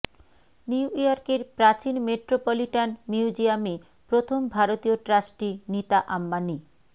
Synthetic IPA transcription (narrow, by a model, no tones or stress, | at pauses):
niuʔioɾkeɾpɾat͡ɕinmeʈɾopoliʈanmiud͡ʑiame | pɾot̪ʰombʱaɾot̪ioʈɾasʈinit̪aʔamːani